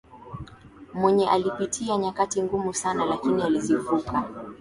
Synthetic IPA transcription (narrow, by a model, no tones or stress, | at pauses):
mwɛɲɛʔalipitʰiaɲakatiŋɡumusanalakinializivuka